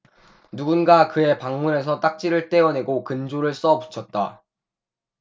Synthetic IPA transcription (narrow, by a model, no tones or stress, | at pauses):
nuɡunɡakɯe̞paŋmune̞s̬ʰʌt͈ak̚t͡ɕ͈iɾɯɭt͈e̞ʌne̞ɡokɯnd͡ʑoɾɯɭs͈ʌpu̥t͡ɕʰʌt̚t͈a̰